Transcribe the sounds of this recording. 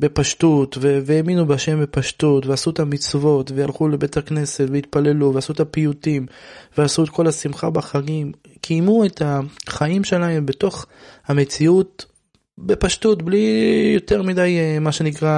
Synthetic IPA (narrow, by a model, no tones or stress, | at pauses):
be̞paʃtut̪veveeminubeaʃe̞mbepaʃtutveasuetamit͡svo̞tvejalχulebetakne̞setveit̪pale̞luveasuet̪apiutimveasuet̪̚ko̞lasimχabaχaɡim | kʰijmue̞thaχaimʃe̞lae̞mbe̞to̞χhamet͡siut̚ | be̞paʃtutblijo̞te̞ʁmidajmaʃe̞nikʁa